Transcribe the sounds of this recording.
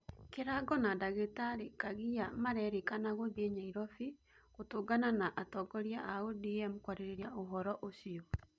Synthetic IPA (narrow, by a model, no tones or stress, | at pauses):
keɾaɡɔnadaɣetaɾikaɣijamaɾɛɾikanaɣobeɲaiɾɔfi | ɣotoːɡananaʔatɔɡɔɾjaʔaodiɛmukwaɾeɾeɾiaoɦɔɾɔʔosiɔ